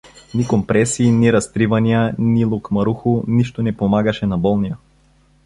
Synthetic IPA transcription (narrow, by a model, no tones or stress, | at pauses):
nikompɾɛsiːniɾɐst̪ɾivɐnijanilˠukmɐɾuxuniʃt̪onɛpomaɡɐʃɛnɐbɔlˠnija